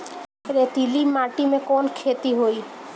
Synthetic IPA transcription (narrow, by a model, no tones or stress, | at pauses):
ɾet̪ilimaʈimẽkɔnkʰet̪iɦoi